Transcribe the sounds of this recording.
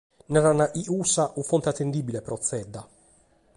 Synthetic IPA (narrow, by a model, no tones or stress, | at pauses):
nɛɾanaʔiʔuːsaʔufont̪eat̪ːend̪iːbilepɾɔt̪sːɛd̪ːa